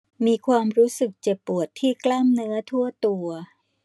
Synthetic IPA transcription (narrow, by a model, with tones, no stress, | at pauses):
miː˧kʰwaː˧mɾuː˦˥sɯ˨˩k̚t͡ɕe˨˩pːu˨˩ət̪ʰːiː˥˩klaː˥˩mnɯ˦˥ɐt̪ʰu˥˩ɐt̪u˧ɐ